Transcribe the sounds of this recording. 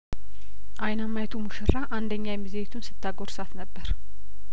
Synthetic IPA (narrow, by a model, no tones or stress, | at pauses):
ʔajnamːajt̪ʰumuʃɨɾːaʔand̪əɲːajɛmːizeet̪ʰunsɨ̥t̪ʰːaɡoɾsat̪nəbːəɾ